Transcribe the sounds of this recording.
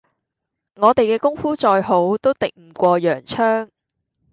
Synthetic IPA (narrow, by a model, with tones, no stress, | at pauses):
ŋɔː˨˧t̪e˨jkɛː˧kʊ˥ŋfuː˥t͡ʃɔː˧jho˨˥wt̪o˥wt̪ɪ˨k̚m̩˨˩kʷɔː˧jœː˨˩ŋt͡ʃʰœː˥ŋ